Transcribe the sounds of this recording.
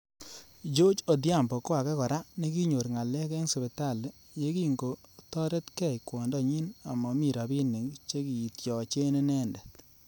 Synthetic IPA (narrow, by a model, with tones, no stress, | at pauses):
d͡ʒo˦t͡ʃo˨d̬ja˦˨mbɔ˨ko˦wa˨kɛ˦kɔ˨ɾa˦ne˦ki˦ɲo˨ɾŋa˨lɛ˦kɛ˦ŋse˨be˨ta˦˨l | je˦ki˦ŋɡo˨tɔ˦ɾe˦tkɛ˦˨jkwɔ˨ndɔ˦ɲi˦na˨mɔ˨mi˨ɾa˨bi˦ne˨ŋt͡ʃe˦ki˨i˨tjɔ˨t͡ʃe˦ne˦nɛ˦ndɛ˨t